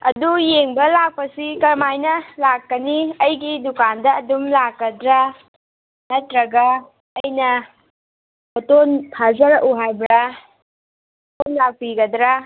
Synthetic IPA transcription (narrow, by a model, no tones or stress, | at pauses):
ɐdujeŋbɐlak̚pɐsikɐɾmajnɐlakːɐniɐjɡidukandɐːdumlakːɐdɾa | nɐtɾɐɡɐː | jnɐ | otonpʰazɐɾɐʔuɦajbɾa | tonlak̚piɡɐdɾa